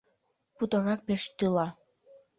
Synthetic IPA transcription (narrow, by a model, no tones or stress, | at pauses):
put̪ɑɣɑk̚peʃt̪ylɑ